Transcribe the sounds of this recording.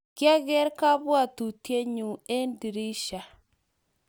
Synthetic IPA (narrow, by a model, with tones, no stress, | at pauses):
kja˦ɣɛ˦ɾka˦βwa˨t̪u˨tje˦ɲu˨e˦ndi˨ɾi˦ʃa˨